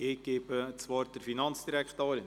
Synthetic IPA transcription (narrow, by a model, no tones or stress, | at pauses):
ɪɡ̥eːbət͡svɑːɾdəɾfinɑnt͡sd̥iɾækχt̪oːɾɪn